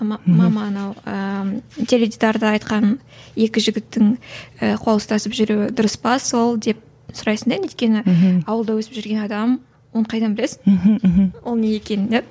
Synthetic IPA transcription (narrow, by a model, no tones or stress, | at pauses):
mɑmɑnɑwət̪ʲʰe̞lʲed̪ʲid̪ɑɾd̪əɑjt̪qɑn | e̞kʲɪʒɪɡʲɪt̪ːɪŋəqʰolˠəst̪ɑsəpʒʏɾewɪd̪ʊɾəsbɑswo̞lˠd̪e̞p̚ | sʊɾɑjsəɴd̪enejt̪̚kʲe̞nɪɑwəlˠd̪ɑwɵsɪ̥pʒʏɾɡʲe̞nɑd̪ɑm | woɴqʰɑjd̪ɑnbɪlesɪn | wolˠnejekʲenɪnd̪ep̚